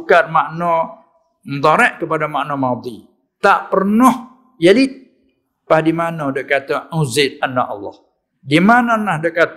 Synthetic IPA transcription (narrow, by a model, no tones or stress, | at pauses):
kat̪̚maʔnɔ | məd̪aɾɛʔkəpadamaʔnɔmad̪i | t̪aʔpərnʊh | jali | pahdimanɔdəʔkːat̪auzɪt̪̚anːaʔɑ̰lːɔ̰h | dimanɔnahdəʔkat̪